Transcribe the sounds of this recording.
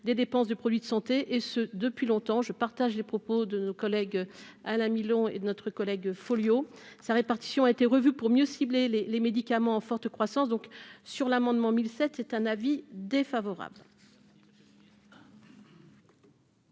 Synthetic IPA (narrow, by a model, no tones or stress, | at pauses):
d̪ed̪epɑ̃sd̪əpχɔd̪ɥid̪əsɑ̃t̪eʔesəd̪əpɥilɔ̃t̪ɑ̃ʒəpaʁt̪aʒlepχɔpod̪ənokɔlɛɡalɛ̃milɔ̃ḛd̪ənɔt̪χəkɔlɛɡfoljosaʁepaʁt̪i̥sjɔ̃aet̪eʁəvypuʁmjøsiblelelemed̪ikamɑ̃ɑ̃fɔʁt̪əkχwasɑ̃sd̪ɔ̃ksyʁlamɑ̃d̪mɑ̃milsɛt̪ːɛt̪ɛ̃navid̪efavɔʁa̰bl